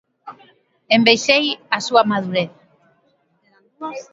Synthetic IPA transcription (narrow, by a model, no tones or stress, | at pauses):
embejʃejasuamað̞uɾeθ